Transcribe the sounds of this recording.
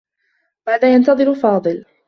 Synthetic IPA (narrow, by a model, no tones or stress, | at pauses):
baʕd̪ajant̪ɑðˤɨɾfɑːd̪ˤɨl